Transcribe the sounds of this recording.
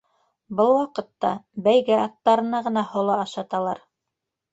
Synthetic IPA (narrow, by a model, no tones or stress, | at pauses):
bɤlˠwɑqɤ̆t̪ːɑbæjɡæɑt̪ːɑɾɤ̆nɑʁɤ̆nɑhŏlˠɑːʃɑt̪ɑlˠɑɾ